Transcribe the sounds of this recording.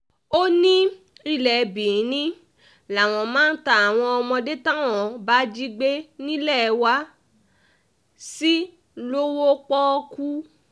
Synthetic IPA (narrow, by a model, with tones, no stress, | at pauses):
o˦nĩ˦ | i˧˨lɛ˨˧bĩ˨˦nĩ˦ | la˨w̃ɔ̃˧mãː˦n̩˦ta˦˨a˨w̃ɔ̃˧ɔ˧mɔ̃˧de˦tã˦w̃ɔ̃˨ba˨˦d͡ʒi˦ɡ͡be˦nĩ˦lɛ˦˨˧wa˧˦ | si˦ | lo˦wo˦k͡pɔ˦ku˦